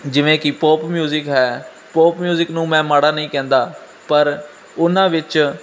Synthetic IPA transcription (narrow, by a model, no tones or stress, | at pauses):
d͡ʒɪʋẽːkɪpoːpmjuːzɪkɦɛː | poːpmjuːzɪknũːmɛ̃ːmaːɽaːnəĩːkɛ̃ːnd̪aː | pəɾ | ʊnãːʋɪt͡ʃ